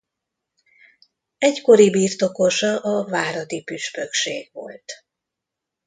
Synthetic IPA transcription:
ɛɟko̞ɾibiːrt̪o̞ko̞ʃɒlʔɒvaːɾɒd̪ipyʃpøkʃeːɡ̥ʋo̞̰lt̪

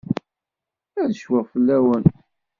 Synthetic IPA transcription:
æðəʃwæʁfəlːæwən

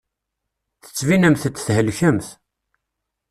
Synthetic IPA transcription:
θə̥t͡sːvinæmθət͡s̪ːθhəlçəmθ

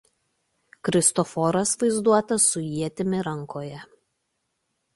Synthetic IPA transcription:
kɾʲɪst̪ɔfɔɾɐsʋɐɪzd̪uɔt̪ɐsːʊjiɛt̪ʲɪmʲɪɾɐŋkʰoːjɛ

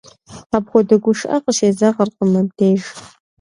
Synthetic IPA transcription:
abxʷɔdɐɡʷʊʂʔɐqəʃeːzɐʁərqəmɐdʰeːʒ

